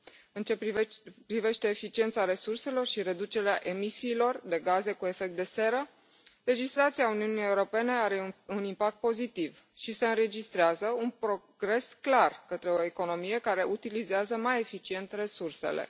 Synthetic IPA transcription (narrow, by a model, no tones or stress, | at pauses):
ɨnt͡ʃepɾive̞ʃt̪e̞ːfit͡ʃie̞nt̪saɾe̞surse̞lo̞rʃiɾe̞d̪ut͡ʃe̞ɾeaʔe̞misiːlo̞rd̪e̞ɡaze̞kue̞fe̞kt̪d̪e̞se̞ɾə | le̞d͡ʒislat̪siauniunijeuɾo̞pe̞ne̞aɾeunimpak̚t̪̚po̞zit̪iv | ʃise̞ɨnɾe̞d͡ʒist̪ɾeazəunpɾo̞ | ɡ̥ɾe̞sklarkət̪ɾe̞o̞e̞ko̞no̞mije̞kaɾe̞ʔut̪ilizeazəmaje̞fit͡ʃie̞nt̪re̞surse̞̰lḛ